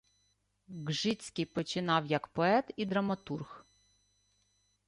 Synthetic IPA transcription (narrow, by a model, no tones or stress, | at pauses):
ɡʒɪt͡sʲkʲɪjpɔt͡ʃɪnɑwjɐkpɔɛt̪id̪ɾɐmɐt̪urx